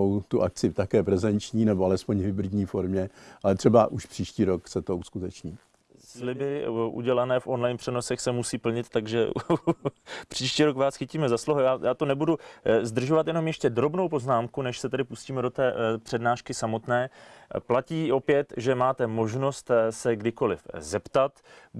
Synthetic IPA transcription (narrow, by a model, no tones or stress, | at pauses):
owt̪uʔak̚t͡sɪft̪akɛːpɾɛzɛnt͡ʃɲiːnɛboalɛspoɲɦɪbɾɪd̪ɲiːfoɾmɲɛʔalɛt̪r̥ɛbaʔuʃpr̥iːʃciːɾoksɛt̪ouskut̪ɛt͡ʃɲiː | slɪbɪʔṵɟɛlanɛːfʔo̞nlajnpr̥ɛno̞sɛxsɛmusiːpl̩ɲɪt̪tːaɡʒɛ̰ | pr̥iːʃciːɾokvaːsxɪciːmɛzasloɦojaːjaːt̪o̞nɛbuduzd̪r̩ʒo̞vat̪jɛno̞mjɛʃcɛd̪ɾo̞bno̞wpo̞znaːmkunɛʃsɛt̪ɛdɪpusciːmɛdot̪ɛːpr̝̥ɛdnaːʃkɪsamo̞t̪nɛːplaciːʔo̞pjɛt̪ʒɛmaːt̪ɛmo̞ʒno̞st̪sɛɡdɪko̞lɪ̰fzɛpt̪at̪